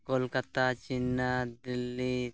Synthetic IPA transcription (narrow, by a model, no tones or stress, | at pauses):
kolkɐt̪at͡ʃinːad̪ilːi